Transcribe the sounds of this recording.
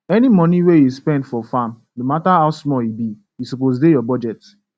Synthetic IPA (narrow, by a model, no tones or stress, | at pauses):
ɛnimɔniwejuspɛ̃ndfɔfãm | nomataɦaʊsmɔibi | jisupos̬dejɔbɔd͡ʒɛt